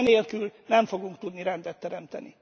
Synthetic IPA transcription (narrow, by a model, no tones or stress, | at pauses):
neːlkylnɛɱfo̞ɡuŋk̚t̪ud̪niɾɛnd̪ɛt̪ːɛɾɛmt̪ɛ̰nḭ